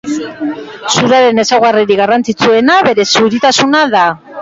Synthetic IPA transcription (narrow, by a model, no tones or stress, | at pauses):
suɾaɾe̞ne̞sawɣariɾiɣarant͡sit͡sue̞naβe̞ɾe̞suɾit̪asunaða